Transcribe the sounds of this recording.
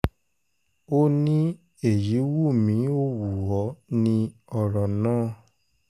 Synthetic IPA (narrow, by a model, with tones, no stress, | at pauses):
o˦nĩ˦ | e˦˨ji˨˦wu˦˨mĩ˨˦o˦˨wu˨wɔ˨˦nĩ˧ɔ˨ɾɔ˨nãː˦˨